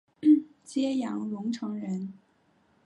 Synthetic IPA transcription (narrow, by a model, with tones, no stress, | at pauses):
t͡ɕjɛ˥jɑ˧˥ŋlʊ˧˥ŋʈ͡ʂʰɤ˧˥ŋɻə˧˥n